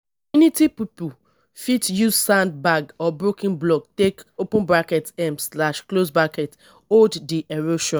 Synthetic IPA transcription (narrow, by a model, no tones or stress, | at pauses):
junitipipu | fitjuzsãnd̚baɡɔbɹokĩnblɔɡ̚tekopɔ̃nbɹakɛtɛ̃mslaʃklosbakɛt | olddiʔɛɹoʃɔ̃